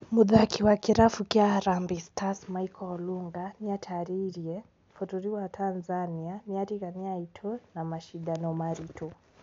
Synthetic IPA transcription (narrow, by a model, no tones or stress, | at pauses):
muðakiwakiɾafukiaɾambistʰasmajkʰɔɔluŋɡaniatʰaɾiɾiɛ | fɔtuɾiwatʰanzaniamiaɾiɣaniaitʰɔnamaʃiɗanɔmaɾitʰɔ